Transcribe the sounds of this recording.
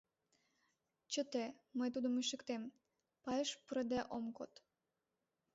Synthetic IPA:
t͡ɕə̆t̪eməjt̪̬ud̪əmyʃə̆kt̪em | pɑjəʃpəɾəd̪æʔomkot̪

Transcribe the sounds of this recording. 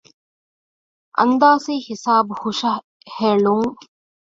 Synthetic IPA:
ʔɐ̰nd̪aːsiːhisaːbuhuʃɐ | heɭuŋ

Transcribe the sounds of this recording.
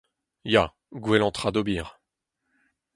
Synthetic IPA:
ja | ɡwɛlɑ̃t̪χad̪obiːʁ

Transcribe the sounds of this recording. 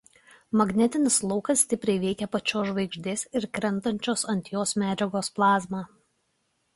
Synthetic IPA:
mɐɡnʲɛt̪ʲɪnʲɪslˠɔʊkɐsːʲt̪ʲɪpʲɾʲɛɪʋʲɛɪkʲɛpɐt͡ʃʲoːʒʋɐɪɡʒʲd̪ʲeːsɪɾkɾʲɛnˑt̪ɐnʲt͡ʃʲoːsɐnʲt̪ʲjoːsmʲæːd͡ʒʲɛɡoːsplˠɑːzmɑː

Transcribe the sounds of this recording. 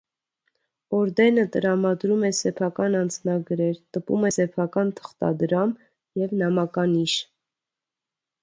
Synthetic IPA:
ɔɾd̪ɛnət̪əɾɑmɑd̪ɾumɛsɛpʰɑkɑnɑnd͡znɑɡɾɛɾt̪əpṵmɛsɛpʰɑkɑnt̪ʰə̥χt̪ɑ̰d̪ɾɑm | jɛvnɑmɑkɑniʃ

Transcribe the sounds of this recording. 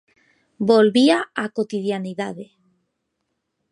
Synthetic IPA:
bolβiaakot̪iðjaniðaðe

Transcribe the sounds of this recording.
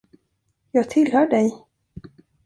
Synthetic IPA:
jɑːɡ̚t̪ʰɪlhœːɖɛj

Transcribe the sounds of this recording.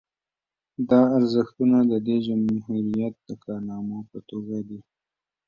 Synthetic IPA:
d̪ɑaɾzəxt̪unad̪əd̪ed͡ʒamhuɾijat̪̚d̪əkɑɾnɑmopət̪oɡad̪i

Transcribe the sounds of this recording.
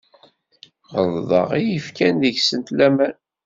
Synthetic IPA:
ʁəððˤə̰ʁijifkænðəçsənt̪læmæn

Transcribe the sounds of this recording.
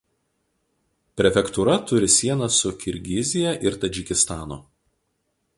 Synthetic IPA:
pʲɾʲɛfʲɛkt̪uɾɐt̪ʊɾʲɪsʲiɛnɐsʊkʲɪɾʲɡʲɪzʲɪjɛʔɪɾt̪ɐd͡ʒʲɪkʲɪst̪ɑːnʊ̰

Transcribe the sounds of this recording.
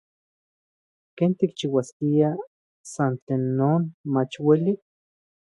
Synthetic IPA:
keːnt̪ik̚t͡ʃiwaskia | sant͡ɬeːnːoːnmat͡ʃweli

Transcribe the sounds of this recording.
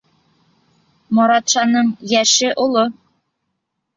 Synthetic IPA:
mŏɾɑt̪ʃɑnɤɴjæʃɘʔolˠo

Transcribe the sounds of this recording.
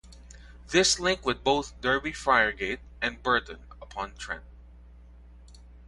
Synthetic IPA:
ðɪslɪ̃ŋkwɨd̪̚boʊθd̪ɜ˞bifaɪə˞ɡeɪt̚ɨ̃nbɜ˞d̃n̩ | əpʰɑ̃ntʰɹ̥ɛ̰̃np̚

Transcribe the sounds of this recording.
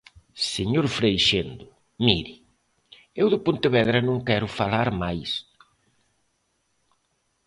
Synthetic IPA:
seɲoɾfɾejʃend̪ʊ | miɾi | ewðɪpont̪ɪβɛðɾɐnõŋkɛɾʊfalaɾmajs

